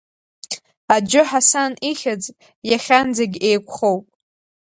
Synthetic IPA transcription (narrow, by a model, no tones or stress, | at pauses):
ad͡ʒʊħasaniχʲat͡sʼ | jaχʲand͡zaɡʲe̞jkʷʰχowpʼ